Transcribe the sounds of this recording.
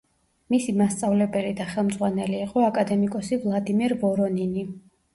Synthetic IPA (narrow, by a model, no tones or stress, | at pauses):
misimast̪sʼavlɛbɛlid̪aχɛlˠmd̪zʁwanɛliːqʼɔakʼad̪ɛmikʼɔsivlˠad̪imɛɾvɔɾɔnini